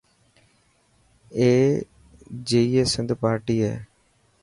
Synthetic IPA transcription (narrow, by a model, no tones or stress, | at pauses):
eː | d͡ʒeːiːeːsɪ̃nd̪paːɾʈiːɦɛ̰ː